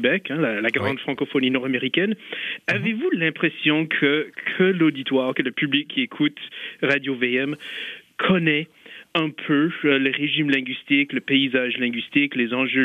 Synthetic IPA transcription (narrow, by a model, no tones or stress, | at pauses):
bɛkɛ̃lalaɡʁɑ̃d̪fχɑ̃kɔfɔninɔʁameʁikʲɛnavevulɛ̃pχesjɔ̃kʰəkʰəlod̪it̪waːʁkələpyblikʰːiekʰut̪ʁad̪joveɛmkʰɔnɛ | ɛ̃pʰøləʁeʒimlɛ̃ɡɥist̪ikləpeizaʒlɛ̃ɡɥist̪iklezɑ̃ʒø